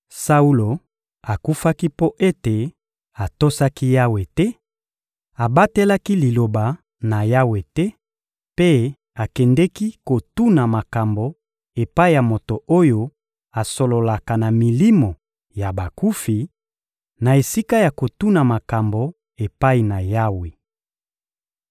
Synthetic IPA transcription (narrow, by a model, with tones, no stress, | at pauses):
sa˦u˦lo˨ | a˨ku˦fa˦ki˦po˦ʔe˦te˨ | a˨to˦sa˦ki˦ja˦we˨tɛ˦ | a˨ba˦te˦la˦ki˦li˨lo˨ba˨ | na˨ja˦we˨tɛ˦ | pe˦ | a˨kɛ˨ndɛ˦ki˦ko˨tu˦na˨ma˨ka˨mbo˨ | e˨pa˦i˦˨ja˨mo˨to˨o˦jo˦ | a˨so˨lo˨la˨ka˨na˨mi˨li˦mo˨ | ja˨ba˨ku˦fi˨ | na˨e˨si˦ka˦ja˨ko˨tu˦na˨ma˨ka˨mbo˨ | e˨pa˦i˨na˨ja˦we˨